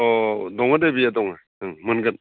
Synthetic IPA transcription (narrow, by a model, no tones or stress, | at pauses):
ɔdɔŋadebijadɔŋa | ɯŋmɯnɡɯt̚